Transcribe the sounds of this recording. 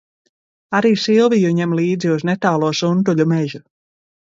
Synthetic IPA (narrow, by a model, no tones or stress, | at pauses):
aɾiːsilˠvijuɲɛmlˠiːd̪ziuznet̪aːlˠuɔsunt̪̬uʎʲumeʒu